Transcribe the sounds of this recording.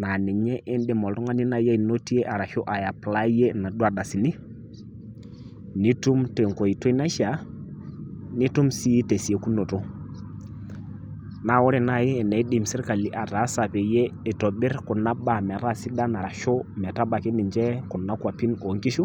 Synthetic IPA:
na˨ni˨ɲɛ˦ʔɪ˦ndɪ˨mɔ˨ltɔ˦ŋa˦ni˦na˨je˦i˨no˦ti˦e˦ʔa˨ɾa˨ʃo˦ʔa˨ja˨pla˦je˦na˨du˦a˨da˨si˨ni˦ | ni˦tu˦mte˨ŋko˨i˨to˦i˦na˦ʃa˨˦ | ni˦tu˦msi˦te˨se˦ku˦no˨to˦ | na˨˦˨wɔ˦ɾi˨na˦˨jɪː˦˨nɛ˨i˦di˨msi˦ɾka˨li˨ʔa˨ta˨˦sa˨pe˨je˦ɪ˨tɔ˨bɪ˦ɾkʊ˨na˦ba˨mɛ˨ɾa˦˨si˦da˦na˨ɾa˨ʃo˦mɛ˨ta˦ba˨ki˦ni˨ɲd͡ʒɛ˦kʊ˨na˦kʷwa˨pi˦no˨˦ŋki˦ʃu˦

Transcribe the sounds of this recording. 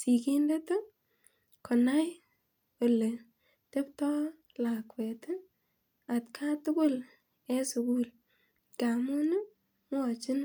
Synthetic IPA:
si˨ki˦ndɛ˦to˦ | kʰɔ˨na˦j | o˨le˨ | te˦ptɔ˦ | la˨kwɛte˦ | a˨tkʰa˦tʊ˦kʊ˦l | e˦su˨ku˦l | ka˨mu˦nu˦ | m˦ɔ˨t͡ʃɪ˦n

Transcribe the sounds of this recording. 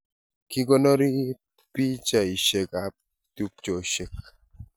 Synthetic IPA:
ki˦ɡɔ˦nɔ˦ɾi˦ | pi˦t͡ʃa˨i˨ʃe˨ka˨p̚ | tu˦p̚t͡ʃo˨ʃe˨k̚

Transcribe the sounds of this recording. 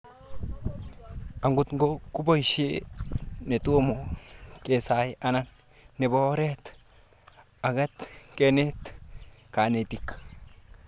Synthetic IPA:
a˨ŋɡu˦t̪ŋɡo˦ku˦bo˦jʃe˦ | ne˨t̪u˦moke˨saja˦na˦nː | e˨bo˦ɾet̪ | a˨ɡa˦t̪kene˦t̪ka˨ne˨t̪ik

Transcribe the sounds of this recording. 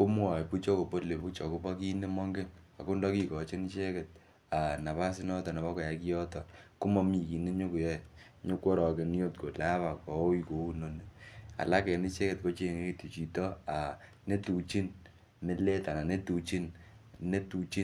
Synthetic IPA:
ko˦m˦ɔ˨pu˦t͡ʃɔ˦ko˨po˦tle˨pu˦t͡ʃɔ˨ku˦pɔ˦ki˦ne˦mɔ˦ŋɡe˦na̰˨ko˦ndɔ˦ki˦kɔ˨t͡ʃe˦ni˦t͡ʃe˦kɛ˨t̚ | a˨na˨pa˦sɪ˦nɔ˦tɔ˨na˨bɔ˦kɔ˨ja˨ki˦jɔ˦tɔ˨ku˦mɔ˦mi˨ki˨ne˦ɲo˦ku˨jɛ˦ | ɲo˦kwo˦ɾɔ˨ke˨n˦jo˦t̚ko˨la˦βa˨kɔ˨o˦i˦ko˨u˦no˨ne˦a̰˨la˦kɛ˨ni˦t͡ʃe˦ke˨tko˦t͡ʃe˦˨ŋe˦ke˦tu˨t͡ʃi˨tɔ˦a˨ | ne˦tu˨t͡ʃi˦n | me˦le˦ta˨na˨ne˦tu˨t͡ʃi˦nne˦tu˨t͡ʃi˦

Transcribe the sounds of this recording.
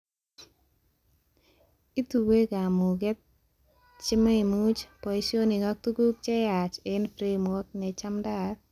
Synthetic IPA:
i˦tu˨we˦ɡa˨mu˨ɡɛ˦t̪̚ | t͡ʃɪ˦ma˦i˨mu˦t͡ʃpo˨i˦sjo˦ni˨ŋa˦k̚t̪u˦ɡu˦k̚t͡ʃɛ˦ja˨t͡ʃe˦nfɾe˦˨mɔ˦t̚nɛ˨t͡ʃa˦mda˦t

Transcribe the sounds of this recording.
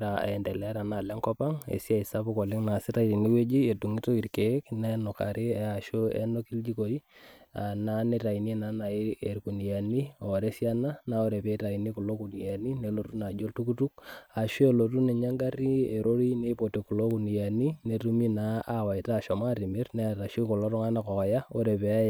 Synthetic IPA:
ɾa˨a̰˨ɛ˨ndɛ˨lɛ˨˦ɾa˨na˨lɛ˦ŋkɔ˦pa˦ŋḛ˨si˦a˦˨i˨sa˦pu˦kɔ˨le˦ŋna˨sɪ˦ta˦ti˨ni˦we˦d͡ʒi˦e˨du˨ŋi˦to˦i˨ɾke˨˦knɛ˦nɔ˨ka̰˨ɾe˦˨a˨ʃo˦ɛ̰˦no˦ki˦ld͡ʒi˦ko˨i˦a̰˨na˦ne˦ta˨i˨ni˦na˨˦na˨i˦e˨ɾku˨ni˨ja˨ni˦˨ɔ˨ɾɛ˦sja˦na˦na˨˦o˦ɾe˨pe˨˦ta˨i˨ni˦ku˨lo˦ku˨ni˨ja˨ni˦ne˨lo˨tu˦na˨d͡ʒo˦ltu˦ku˦tu˦k̚a˨ʃo˦e˦lo˨tu˦ne˨ɲa˦ŋɡa˦ɾi˦e˨ɾʔo˦ɾi˦ne˦po˨te˨ku˨lo˦ku˨ni˨ja˨ni˦ne˨tu˦mi˦na˨˦a˨wa˨i˨ta˦˨ʃɔ˨ma˦ɾi˨me˦rnɛ˦ta˨ʃo˦ko˨lɔ˦ɾɔ˦ŋa˦na˦kɔ˨ɔ˨ja˦o˦ɾe˨pe˨a˦j

